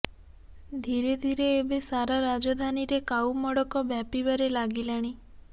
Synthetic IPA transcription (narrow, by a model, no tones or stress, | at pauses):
d̪ʱiɾed̪ʱiɾeːbesaɾaɾad͡ʒɔd̪ʱaniɾekaumɔɽɔkɔbjapibaɾelaɡilaɽ̃i